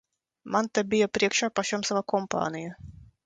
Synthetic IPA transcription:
mant̪abʲijapɾʲiɛkʃaːpaʃʲɔmsavakɔmpa̰ːnʲija

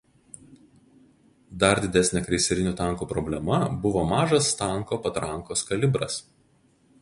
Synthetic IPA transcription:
d̪ɐɾd̪ʲɪd̪ʲɛsʲnʲɛkɾʲɛɪsʲɛɾʲɪnʲuːt̪ɑˑŋkuːpɾɔbʲlʲɛmɐbʊʋoːmɑːʒɐst̪ɐˑŋˑkoːpɐt̪ɾɐŋˑkoːskɐlʲɪbɾɐ̰s

